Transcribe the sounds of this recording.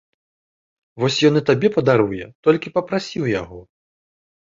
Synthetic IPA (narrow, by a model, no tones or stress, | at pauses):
vɔsʲjɔnɨt̪abʲɛpɐd̪aɾujɛt̪ɔlʲkʲipɐpɾasʲiwjaɣɔ